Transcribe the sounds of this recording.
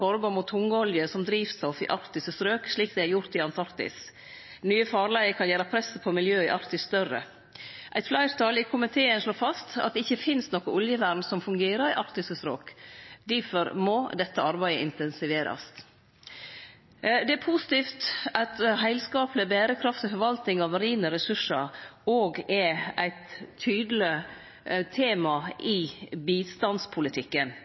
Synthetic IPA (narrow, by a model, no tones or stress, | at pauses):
fɔɾbɔːɾmʊt̪ʰhʊŋːəɔljəsɔmd̪ɾiːʋsɔfɪ̰ʔɑɾt̪ɪsəsɾøːkʂɭiːk̚d̪ɛɪæɾjʊɾt̪ɪɑnt̪ʰɑɾkt̪ɪ̰s | nyːəfɑːɾlæɪəkʰɑnjæːɾɑpʰɾɛsːəpʰɔmɪljøːɪʔɑɾkt̪ɪsst̪œrə̰ | ʔæ̰ɪt̪flæɪɾt̪ʰɑlɪkʰʊmɪt̪ʰeːənʂɭoːfɑst̪ɑ̰t̪̚d̪ɛɪçːəfɪnst̪nɔkəʊljəʋæɾnsɔmfʉŋɡeːɾəɾɪʔɑɾt̪ɪsəsɾø̰ːkd̪ifɔɾmɔd̪ɛt̪ːəɑɾbæɪd̪ə̰ʔɪnt̪ɛnsɪʋeːɾɑ̰s | d̪ɛæɾpʰusɪ̥t̪iːft̪ɑt̪ɦæɪlskɑːpləbæːɾəkʰɾɑft̪ɪfɔɾʋɑlt̪ɪŋɑʋɾiːnəɾɛsʉʂəɾoːɡɛæɪt̪ʰːyːd̪lɪ | t̪ʰeːmɑɪbiːst̪ɑnspʰʊlɪt̪ʰɪkːən